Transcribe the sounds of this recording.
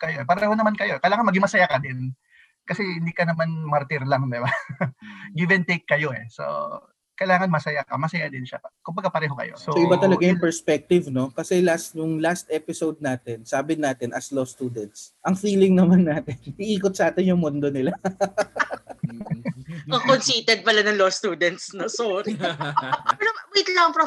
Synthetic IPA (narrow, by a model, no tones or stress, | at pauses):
kɐjoɛpɐɾɛhonɐmankɐjoɛkɐjlaːŋɐnmɐɡɪmɐsɐjakɐd̪ɪn | kɐsɛɪ̃nd̪ikɐnɐmanmaɾt̪iɾlaŋd̪ɪba | ɡivɛnt̪ejkːɐjoɛ̰so̰ | kɐjlaːŋɐnmɐsɐjakɐmɐsɐjad̪ɪnʃa̰kʊmbɐɡapɐɾɛːɦokɐ̰jo̞̰sooʔɪbaɐlɐɡajʊŋpɛɹspɛk̚t̪ɪvno̞kɐsɛlast̪jʊŋlast̪ʔɛpɪsowd̪̚naːt̪ɪnsaːbɪnaːt̪ɪnʔɐslost̪uːd̪ɛnt̪sʔɐŋfiːlɪŋnɐmanːaːt̪ɪnɪʔiːkot̪̚sɐʔaːt̪ɪnjʊŋmond̪o̞nɪla | okonsiːt̪ɛd̪̚pɐlanɐŋlost̪uːd̪ɛnt̪̚snosoːɾɪ | pɛɾɐit̪laɐpɾo